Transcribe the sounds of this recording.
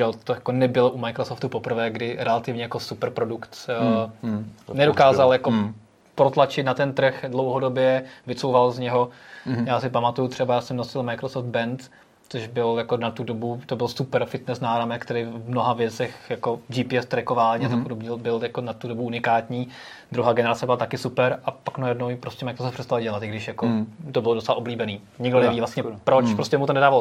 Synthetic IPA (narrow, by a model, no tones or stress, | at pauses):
ʒɛot̪ojakonɛbɪloʔumajkɾosoft̪upopr̩vɛːɡdɪɾɛlat̪ɪvɲɛjakosupɛɾpɾodukt̪ː | nɛdokaːzaljako | pɾot̪lat͡ʃɪt̪nat̪ɛnt̪r̩xdlowɦodobjɛvɪt͡sowvalzɲɛɦojaːsɪpamat̪ujut̪r̥ɛbajaːsɛmnosɪlmajkɾosofd̪̚bɛnt̪ | t͡soʒbɪljakonat̪udobut̪obɪlsupɛɾfɪt̪nɛsnaːɾamɛkt̪ɛɾɪvmnoɦavjɛt͡sɛxjakod͡ʒipɪɛst̪ɾɛkovaːlɲiːat̪ak̚podobɲɛlbɪljakonat̪udobuunɪkaːt̪ɲiː | d̪ɾuɦaːɡɛnɛɾat͡sɛbɪlat̪akɪsupɛɾʔapaknajɛdnowjɪpɾoscɛmajkɾosofprsɛst̪alɟɛlat̪ɪɡdɪʃjakot̪obɪlodot͡sɛlaʔobliːbɛniː | ɲɪɡdonɛviːvlast̪ɲɛpɾot͡ʃppɾoscɛmut̪onɛdaːval